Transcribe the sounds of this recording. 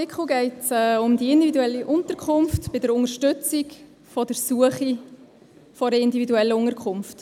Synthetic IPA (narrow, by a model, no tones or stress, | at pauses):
ɪkχl̩ɡɛɪtsɛːʊmdiɪndividuɛlːiʔʊntəɾkʰχʊmftb̥ɪdəɾʊŋəɾʃtʏt͡sik | fɔd̥əɾsuəχi | fɔɾəɪndividuɛlːəʊŋəɾkʰχʊmft